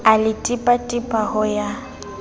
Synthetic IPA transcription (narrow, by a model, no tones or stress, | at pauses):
alɪtʼɪpʼatʼɪpʼahʊja